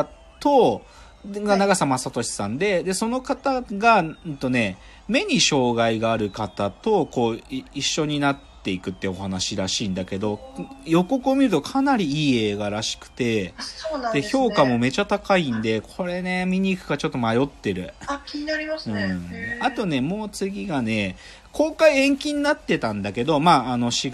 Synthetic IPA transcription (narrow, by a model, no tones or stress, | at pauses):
t̪o̞ | ɡanaɡasamasat̪o̞ɕi̥sãnd̪e̞d̪e̞so̞no̞kat̪aɡat̪o̞ne̞ | me̞ɲ̟iɕo̞ːɡaiɡaːɾɯ̟kat̪at̪o̞ko̞ːiɕːo̞ɲ̟inat̪ːe̞ikɯ̟t̪ːeo̞ɦanaɕiɾaɕiːnd̪ake̞d̪o̞jo̞ko̞kɯomʲiɾɯ̟t̪o̞kʰanaɾʲiiːe̞ːɡaɾaɕi̥kɯ̟̥t̪e̞nd̪e̞ço̞ːkamo̞me̞t͡ɕat̪akaĩnd̪e̞kʰo̞ɾe̞ne̞mʲiɲ̟iːkɯ̟ɡat͡ɕo̞t̪ːo̞majo̞t̪ːe̞ɾɯ̟̰kaɾɯ̟̃at̪o̞ne̞mo̞ːt͡sɨɡʲiɡane̞ | kʰo̞ːkaiẽ̞ŋkʲĩɲ̟inat̪ːe̞t̪ãnd̪ake̞d̪o̞maːno̞ɕi